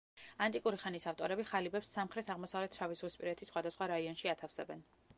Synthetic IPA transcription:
ant̪ʼikʼuɾiχanisaft̪ʼɔɾɛbiχalibɛpsːamχɾɛt̪ʰaʁmɔsavlɛt̪ʰɾavisʁwispʼiɾɛt̪ʰisχwad̪asχwaɾaiɔnʃiat̪ʰafsɛbɛn

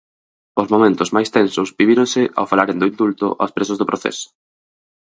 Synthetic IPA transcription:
ʊzmomẽnt̪ʊzmajst̪ɛnsʊsbiβiɾõŋsɪʔa̰wfalaɾend̪ʊind̪ult̪ʊ̰ʔa̰spɾesʊzðʊpɾoθɛ̰sʊ̥

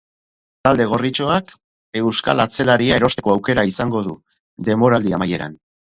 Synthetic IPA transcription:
t̪ald̪e̞ɣ̞o̞rit͡ʃo̞ak | e̞wska̰lat͡se̞laɾiae̞ɾo̞st̪e̞ko̞awke̞ɾaisaŋɡo̞ðu | d̪e̞mo̞ɾald̪iamaje̞ɾa̰n

